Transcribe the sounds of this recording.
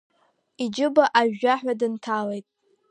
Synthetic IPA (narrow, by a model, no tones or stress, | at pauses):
id͡ʒɪbaʔaʒᶣːaħʷᶣadɨntʰalejtʼ